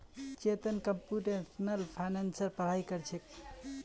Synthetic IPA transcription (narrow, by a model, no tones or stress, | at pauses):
t͡ʃet̪ənkəmpuʈesnəlpʰajnansəɾpəɽ̤ajkəɾt͡ʃʰek